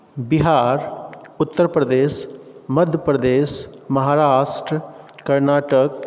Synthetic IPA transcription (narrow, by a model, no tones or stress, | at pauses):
biɦaːɾʊt̪ːəɾpɾəd̪eːsmɐd̪ʱjəpɾəd̪eːʃmɐɦaːɾaːʃʈɾəkɐɾnaːʈək̚